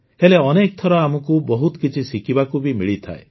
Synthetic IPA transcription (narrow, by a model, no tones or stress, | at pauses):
heleɔnek̚t̪ʰɔɾɔamɔkubɔɦut̪kit͡ʃʰisikibakubimiɭit̪ʰa̰e